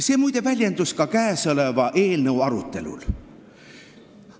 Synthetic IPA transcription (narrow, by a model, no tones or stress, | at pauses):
se̞ːmujd̪e̞vælʲjend̪̥uskɑkæesɤlevɑʔe̞ːlnəuɑɾut̪ːˑe̞lṵl